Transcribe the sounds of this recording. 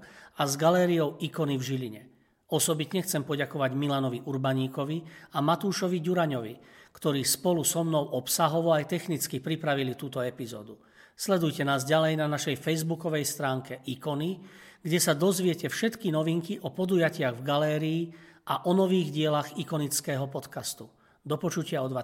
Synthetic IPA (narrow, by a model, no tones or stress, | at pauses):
azɡalɛːɾijɔʊikɔnivʒiʎiɲɛ | ɔsɔbit̪ɲɛxt͡sɛmpɔɟakɔʋaɟmilanɔʋiʔuɾbaɲiːkɔʋiamat̪uːʃɔʋiɟuɾaɲɔʋikt̪ɔɾiːspɔlusɔmnɔʊʔɔpsaɦɔʋɔajt̪ɛxnit͡skipɾipɾaʋilit̪uːt̪ɔɛpizɔ̰ːd̪u | slɛd̪ujcɛnaːzɟalɛjnanaʃɛjfɛjzbukɔʋɛjst̪ɾaːŋkɛʔikɔni | ɡɟɛsad̪ɔzʋɪɛcɛfʃɛt̪kinɔʋiŋkiʔɔpɔd̪ujacɪaɣvɡalɛːɾiːʔaʔɔnɔʋiːɣɟɪɛlaɣikɔnit͡skɛːɦɔpɔt̪kast̪u | d̪ɔpɔt͡ʃucɪaɔd̪ʋa